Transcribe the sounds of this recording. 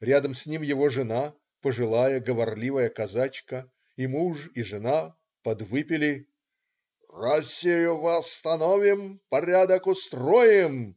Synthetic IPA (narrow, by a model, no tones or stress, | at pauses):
ɾʲad̪əmsʲnʲimjɪvoʐɨna | pəʐɨlˠajəɡəvɐrlʲivəjəkɐzat͡ɕkə | imuʂiʐɨna | pɐd̪vɨpʲɪlʲɪ | rɐsʲijʊvəɐst̪ɐnovʲɪmpɐɾʲad̪əkʊst̪rojɪm